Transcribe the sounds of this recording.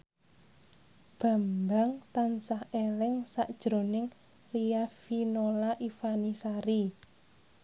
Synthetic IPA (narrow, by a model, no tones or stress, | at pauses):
b̥a̤mbaŋt̪ansahelɪŋsaʔd̥ʒ̥ɾo̤nɪŋ | riafinolaʔifanisaɾi